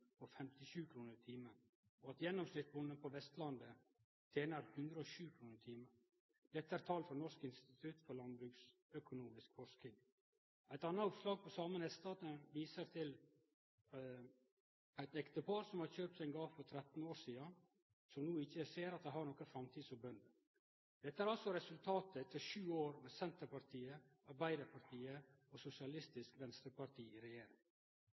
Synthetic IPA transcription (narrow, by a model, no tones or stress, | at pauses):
pʰɔfɛmt̪ɪɕʉːkʰɾuːnəɾt̪ʰiːmə | ɔɑt̪jɛnːɔmsnɪt̪sbʊnd̪ənpʰɔʋɛst̪lɑnd̪ə | t̪ʰeːnəɾhʉnd̪ɾəɔɕʉːkʰɾuːnəɾt̪ʰiːmə | d̪̥ɛt̪ːəæɾt̪ʰɑːlfɔɾnɔʂkɪnst̪ɪt̪ʰʉt̪fɔɾlɑnbɾʉːks | œkʊnuːmɪskfɔʂkɪŋ | æɪt̪ɑnːɑʊpslɑːɡ̚pʰɔsɑːmənhɛst̪ɑːt̪ənʋiːsəɾt̪ʰɪl | æɪt̪ɛkt̪əpʰɑɾsɔmhɑɾçøːp̚t̪sæɪŋɡɑːfɔɾt̪ʰɾɛt̪n̩oːɾʂiːən | sɔmnuːɪçːəseːɾɑt̪̚d̪ɛɪhɑɾɳnɔkːəfɾɑmt̪ʰiːd̪sɔbœnd̪ə | d̪̥ɛt̪ːəæɾɑlsɔɾɛsʉlt̪ʰɑːt̪ət̪ʰɪʃʉːoːɾmeːsɛnt̪əɾpɑɾʈ̪ʰiːəɑɾbæɪd̪əpʰɑɾʈ̪ʰiːəosʊsɪɑlɪst̪ɪskʋɛnst̪əɾpɑɾʈ̪ʰiːɪɾɛjeːɾɪ̰ŋ